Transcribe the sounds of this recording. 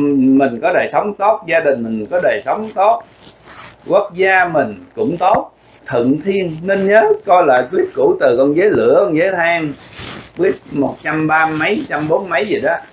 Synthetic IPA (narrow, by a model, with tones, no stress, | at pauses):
mï˨˩ŋ̟kɔ˨˦ɗəː˨˩jsə˨˦wŋ͡mt̪o˦˥t̚zaː˧ɗï˨˩ŋ̟mï˨˩ŋ̟kɔ˨˦ɗəː˨˩jsə˨˦wŋ͡mt̪o˦˥t̚ | kwə˦˥k̚zaː˧mï˨˩ŋ̟kʊ̰˧˥ŋ͡mt̪o˦˥t̚ | t̪ʰə̰ɨ̰˧˨nt̪ʰi˧ənnə˧nɲəː˨˦kɔ˧jla̰ː˨˩jkli˦˥p̚ku˧˩t̪ɨ˨˩kɔ˧nzəː˨˦jlɨ̰˧˩˥əkɔ˧nzəː˨˦jt̪ʰaː˧ŋɓi˦˥əp̚mo˨˩t̚t͡ɕa˧mɓaː˧mə˨˦jt͡ɕa˧mɓo˨˦nmə˨˦jzi˨˩ɗɔ˨˦